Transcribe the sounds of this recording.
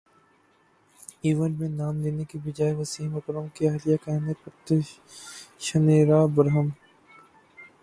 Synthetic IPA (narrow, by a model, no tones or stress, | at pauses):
iːʋənmẽnaːmleːnekibɪd͡ʒaːjʋɐsiːmɐkɾəmkeɐːlijakanepɐt̪ə | ʃɐneːɾaːbɐɾɦəm